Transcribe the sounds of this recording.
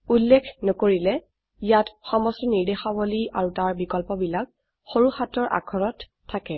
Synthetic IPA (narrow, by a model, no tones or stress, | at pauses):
ulːekʰnɔkoɹilɛ | ijatxɔmɔstɔniɹdexaboliaɹutaɹbikɔlpɔbilak̚ | xoɹuxatɔɹʔa̰kʰɔɹɔtʰː | akɛ